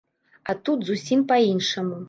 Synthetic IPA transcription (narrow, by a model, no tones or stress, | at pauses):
at̪ut̪zusʲimpɐinʂɐmu